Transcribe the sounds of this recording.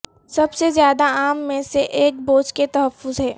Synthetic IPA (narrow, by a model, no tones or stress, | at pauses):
sɐbsezjaːd̪aaːmːẽseʔeːk̚boːt͡ʃket̪ɐɦəfːʊzɦɛː